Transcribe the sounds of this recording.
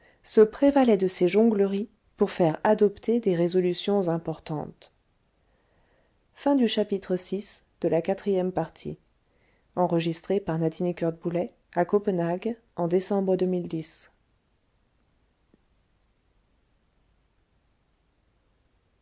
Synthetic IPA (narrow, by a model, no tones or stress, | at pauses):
səpχevalɛd̪əseʒɔ̃ɡləʁi | puʁfɛʁad̪ɔpt̪ʰed̪eʁezɔlysjɔ̃zɛ̃pɔʁt̪ɑ̰̃t̪ | fɛ̃d̪yʃapit̪χəsis | d̪̥əlakat̪χijɛmpaʁt̪ʰḭ | ɑ̃ʁəʒist̪χepaʁnat̪inikʲœʁd̪̚bulɛ | akɔpənaɡ | ɑ̃d̪esɑ̃bʁəd̪əmild̪is